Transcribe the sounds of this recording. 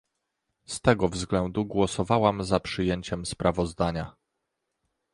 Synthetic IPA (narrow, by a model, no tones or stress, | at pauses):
st̪ɛɡɔvzɡlɛnd̪uɡwɔsɔvawamzapʂɘjeɲt͡ɕɛmspɾavɔzd̪aɲa